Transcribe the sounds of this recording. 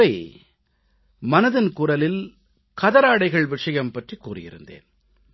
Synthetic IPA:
ɐɪ | mɐnɐðɪnkʊrɐlɪl | kɐðɐɾaːɽɐɪɣɐɭʋɪʂɐjɐmpɐʈrikːuːrɪ̰jɪ̰ɾɯ̰nd̪ḛːn

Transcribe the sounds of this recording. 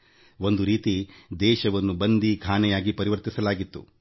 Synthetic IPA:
o̞nd̪uɾiːt̪id̪ɛːʃɐʋɐnːubɐnd̪ikʰaːnɛjaːɡipɐɾiʋɐɾt̪isɐlaːɡit̪ːṵ

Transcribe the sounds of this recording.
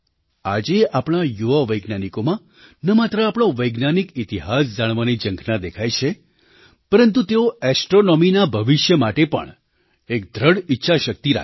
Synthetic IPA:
a̰d͡ʒeapɽ̃ajuʋaʋəjɡnanikomã | nəmat̪ɾəapɽ̃oʋəjɡnanikit̪iɦas̬d͡ʒaɽ̃ʋanid͡ʒəŋɡʰʱnad̪ekʰajt͡ʃʰe | pəɾənt̪ut̪eoɛsʈɾonɔminabʱəʋiʃjəmaʈepə̰ɳ | ek̚d̪ʱɾəɽitːʃʰaʃək̚t̪iɾa̰

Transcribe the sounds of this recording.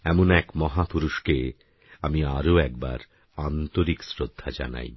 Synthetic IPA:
ɛmonɛkmɔɦapuɾuʃke | amiaɾoɛk̚ba̰ɾ | ant̪oɾiksɾod̪ʱːad͡ʑa̰na̰j

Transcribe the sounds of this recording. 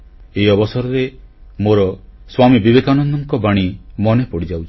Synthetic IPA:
eiɔbɔsɔɾɔɾemoɾɔswamibibekanɔnd̪ɔŋkɔbaɽ̃imɔnepɔɽid͡ʒawt͡ʃʰ

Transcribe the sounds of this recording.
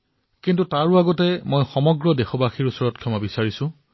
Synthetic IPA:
kintutaɹʊaɡɔtɛmojxɔmɔɡɹɔdexɔbaxiɹusɔɹɔt̚kʰjɔmabisaɹisʊ̃

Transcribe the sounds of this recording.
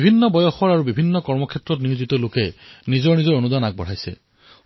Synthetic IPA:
bʱinːɔbɔjɔxɔɹaɹubibʱinːɔkɔɹmɔkʰɛtɹɔtniuzitɔlokɛnizɔɹnizɔɹonudanak̚bɔ̰ɹ̤ajsɛ̰

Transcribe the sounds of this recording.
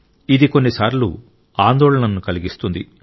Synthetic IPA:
id̪iko̞nːisaːɾlṵ | aːnd̪ɔːɭɐnɐnːukɐliɡist̪und̪i

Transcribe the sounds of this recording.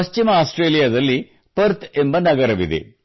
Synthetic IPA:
ɐst͡ʃimɐaːsʈreːlijɐd̪ɐlːi | pɐɾt̪embɐnɐɡɐɾɐʋid̪ḛ

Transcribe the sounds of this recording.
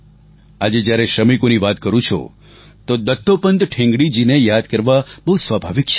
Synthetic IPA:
ad͡ʒed͡ʒjaɾeʃɾəmikoniʋat̪kəɾũt͡ʃʰo̰ | t̪od̪ət̪ʰːopənd̪ʈʰɪ̃ŋɡɽid͡ʒinejad̪kəɾʋabəɦusʋabʱaʋik̚t͡ʃʰ

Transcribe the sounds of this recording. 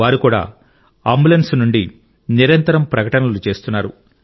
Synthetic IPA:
aːɾikuːɽa̰ː | ɐmbulɐnsnuɳɖi | niɾɐnt̪ɐɾɐmpɾɐkɐʈɐnɐlut͡ʃe̞ːst̪unːaːɾu

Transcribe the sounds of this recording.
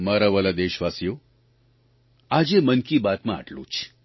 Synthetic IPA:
məɾəʋəlad̪eɕʋasjo | ad͡ʑemənkiːbat̪mãa̰ʈʰlṵːt͡ɕ

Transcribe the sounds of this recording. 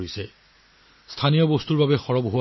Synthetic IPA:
isɛ | stʰanijɔbost̪uɹbabɛxɔɹɔbɦowa

